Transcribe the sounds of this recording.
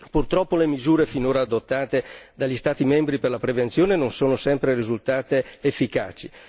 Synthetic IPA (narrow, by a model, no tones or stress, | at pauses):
purt̪ɾɔpːolemizuːɾefinoːɾaːd̪ot̪ːaːt̪ed̪aʎːist̪aːt̪imɛmbɾiperlapɾevensjoːnenonsoːnosɛmpɾerizult̪aːt̪eːfːika̰ːt͡ʃi